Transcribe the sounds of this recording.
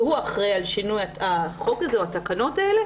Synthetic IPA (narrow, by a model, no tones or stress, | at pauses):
huaχʁejalʃinujaaχo̞kazeoat̪akano̞taele